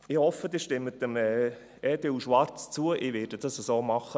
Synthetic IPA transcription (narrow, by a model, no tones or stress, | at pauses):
ɪhɔfːəd̥̪ɪːʃtɪmːət̪əmɛː | ɛːd̥euʃʋɑɾt͡st͡suəʔɪʋɪːd̥əd̥ɑsəsoːmɑχə